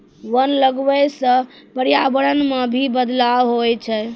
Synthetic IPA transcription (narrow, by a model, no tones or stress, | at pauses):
ʋənləɡʋəjsə̃ | pəɾijabəɽənmebʱibəd̪lawɦojt͡ʃʰɛ